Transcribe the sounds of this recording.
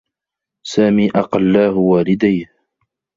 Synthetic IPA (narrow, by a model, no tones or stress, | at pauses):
saːmiːʔɑqɑlːaːhʊwaːlɪd̪ajh